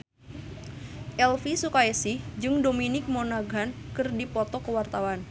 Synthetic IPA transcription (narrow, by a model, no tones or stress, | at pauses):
ʔɛlfisukaɛsɪhd͡ʒɨŋdominɪk̚monaɡankɨrdipɔt̪ɔkəwart̪awan